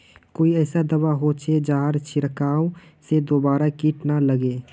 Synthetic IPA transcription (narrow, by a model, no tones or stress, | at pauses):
koːiɛːsad̪əbaɦot͡ʃʰed͡ʒaːɦɾt͡ʃʰɪɾkaːõsed̪oːbaːɾakiʈnaləɡeː